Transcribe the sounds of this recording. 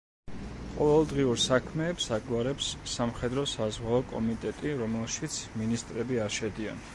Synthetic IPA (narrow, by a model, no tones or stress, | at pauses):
qʼɔvɛlˠd̪ʁiuɾsakʰmɛːpsaɡwaɾɛpsːamχɛd̪ɾɔsazʁwaɔkʼɔmit̪ʼɛt̪ʼiɾɔmɛlˠʃit̪sʰminist̪ʼɾɛbiaɾʃɛd̪ia̰n